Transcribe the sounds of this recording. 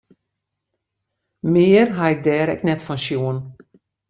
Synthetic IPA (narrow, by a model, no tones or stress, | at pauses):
meːərɦaɛk̚dɛːɾɛ̰knɛtfɔnʃjuːən